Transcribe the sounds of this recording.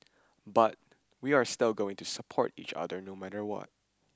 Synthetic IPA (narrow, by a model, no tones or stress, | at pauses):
bat̚ | wiaɹstɪlˠɡoʊɪ̃ŋtusəpʰɔ̰ɹtḭt͡ʃʌ̰dəɹnomæɾəɹwɔ̰t̚